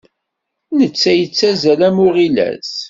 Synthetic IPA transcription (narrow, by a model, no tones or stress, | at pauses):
nət͡sːæjət͡sːæzælæmʊʁilæ̰s